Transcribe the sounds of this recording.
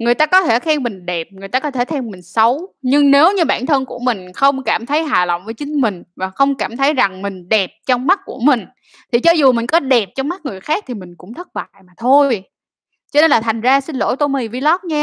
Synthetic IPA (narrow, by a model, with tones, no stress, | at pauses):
ŋɨ˨˩əjt̪aː˧kɔ˨˦t̪ʰe˧˩xʰɛ˧mmï˨˩ŋ̟ɗɛ˨˩p̚ŋɨ˨˩ət̪aː˧kɔ˨˦t̪ʰe˧˩t̪ʰɛ˧mmï˨˩ŋ̟sə˨˦wɲɨ˧ŋne˨˦wɲɨ˧ɓa̰ː˧˩nt̪ʰə˧nku˧˩əmï˨˩ŋ̟xə˧wŋ͡mkaː˧˩mt̪ʰə˨˦jɦaː˨˩lə̰˧˨wŋ͡mvəː˨˦jt͡ɕï˨˦ŋ̟mï˨˩ŋ̟vaː˨˩xə˧wŋ͡mkaː˧˩mt̪ʰə˨˦jza˨˩ŋmï˨˩ŋ̟ɗɛ˨˩p̚t͡ɕɔ˧wŋ͡mma˦˥t̚ku˧˩əmï˨˩ŋ̟ | t̪ʰi˨˩t͡ɕɔ˨˦zu˨˩mï˨˩ŋ̟kɔ˨˦ɗɛ˨˩p̚t͡ɕɔ˧wŋ͡mma˦˥t̚ŋɨ˨˩əjxaː˦˥k̚t̪ʰi˨˩mï˨˩ŋ̟kʊ̰˧˥ŋ͡mt̪ʰə˦˥t̚ɓa̰ː˧˨jmaː˨˩t̪ʰo˧j | t͡ɕɔ˧ɗe˧nlaː˨˩t̪ʰa˨˩jŋ̟zaː˧sï˧ŋlo̰˧˥jt̪o˧mi˧˩vi˧lɔ˦˥p̚ɲaː˧